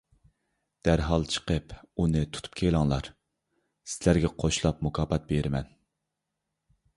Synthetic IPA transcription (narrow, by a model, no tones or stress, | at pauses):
d̪̥æɾɦɑlˠt͡ʃʰə̥qəpunɨt̪ʰu̥t̪ʰu̥pkʲʰelˠɑŋlˠɑɾ | sɪlæɾɡʲɛqʰoʃlˠɑp̚mukʰɑːpɑt̪̚beɾmɛn